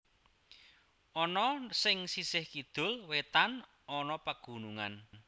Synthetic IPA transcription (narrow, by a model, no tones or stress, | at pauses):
ʔɔnɔsɪŋsisɪhkid̪̥ʊ̤lwet̪an | ɔnɔpəɡ̥ṳnuŋan